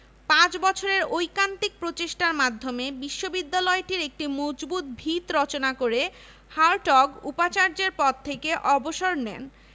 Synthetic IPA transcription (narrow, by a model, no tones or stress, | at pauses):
pãt͡ɕbɔt͡ɕʰoɾeɾojkant̪ik̚pɾot͡ɕeʃʈaɾmad̪ʱːomebiʃːobid̪ːalɔeʈiɾek̚ʈimod͡ʑbut̪̚bʱit̪ɾɔt͡ɕonakoɾe | haɾʈɔɡupat͡ɕaɾd͡ʑeɾpɔt̪̚t̪ʰːekeʔɔboʃoɾnɛ̰n